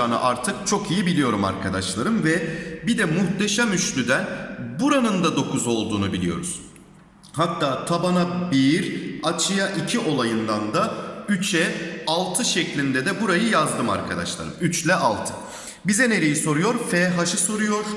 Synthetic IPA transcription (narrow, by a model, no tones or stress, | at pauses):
aːnɯ̰ʔaɾt̪ʰɯkt͡ʃʰo̞kʰijibilʲijo̞ɾuma̰ɾkʰad̪aʃlˠaɾɯmvɛbid̪ɛmuht̪eʃamyʃlʲyd̪ænbuɾanɯnd̪ad̪o̞kʰuzo̞lˠd̪uːnubilʲijo̞̰ɾuz̥ | hat̪ʰːaːt̪ʰabanabiɾat͡ʃʰɯjaʔicʰiʔo̞lˠajɯnd̪and̪ayt͡ʃʰɛalˠt̪ʰɯʃɛclʲind̪ɛd̪ɛbuɾajɯjazd̪ɯma̰ɾkʰad̪a̰ʃlˠa̰ɾɯ̰myt͡ʃlʲɛʔalˠt̪ʰɯ̥ | bizɛne̞ɾijiso̞ɾujo̞ɾfɛɦaʃɯso̞ɾujo̞ɾ̥